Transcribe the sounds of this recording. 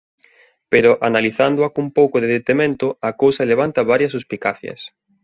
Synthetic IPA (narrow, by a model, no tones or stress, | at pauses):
peɾʊʔanaliθand̪ʊakumpowkʊðeðet̪emẽnt̪ʊakowsɐeleβant̪ɐβaɾjɐsuspikaθjɐ̰s